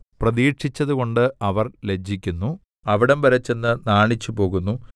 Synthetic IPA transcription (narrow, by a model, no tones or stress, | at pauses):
prɐðiːʈʂit͡ɕːɐðuɣo̞ɳɖɨɐʋɐrle̞d͡ʑʱːikʲːunːu | ɐʋiɽɐmbɐɾɐt͡ɕːe̞nːɨnaːɳit͡ɕːupo̞ːɣunːu